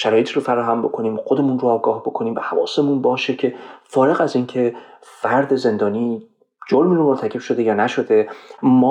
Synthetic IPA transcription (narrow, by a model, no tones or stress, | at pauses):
ʃæɾɒːjet̪iɾofæɾɒːɦæmbo̞̰kʰo̞niːmxod̪e̞munɾoɒːɡɒːhbo̞kʰoniːmbehævɒ̰ːsemunbɒːʃe̞cʰe̞fɒːɾe̞ɣæziːncʰe̞fæɾd̪e̞ze̞nd̪ɒːniː | d͡ʒoɾminomolt̪ʰæcʰe̞b̥ʃo̞d̪e̞jɒːnæʃo̞d̪e̞mɒː